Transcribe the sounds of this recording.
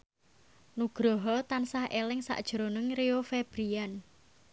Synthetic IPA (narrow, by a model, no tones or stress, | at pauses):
nuɡ̥ɾɔɦɔt̪ansahʔelɪŋsa̰ʔd̥ʒ̥ɾonəŋreofeb̥ɾian